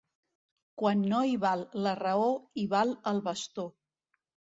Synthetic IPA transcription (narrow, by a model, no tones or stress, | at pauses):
kwanːoiβalˠːərəoiβaləlˠβəst̪o